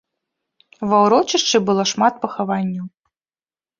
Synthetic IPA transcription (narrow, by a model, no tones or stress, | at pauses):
vɐwɾɔt͡ʃɨʂt͡ʂɨbɨlˠɔʂmat̪̚pɐxavanʲːɐw